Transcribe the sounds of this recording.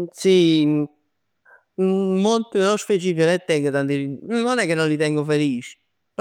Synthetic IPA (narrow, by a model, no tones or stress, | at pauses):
si | molt̪ilosfet͡ʃifionet̪ːɛŋɡot̪ant̪iinːɔnɛkːenːõnlit̪ɛŋɡofeliːt͡ʃi̥ | p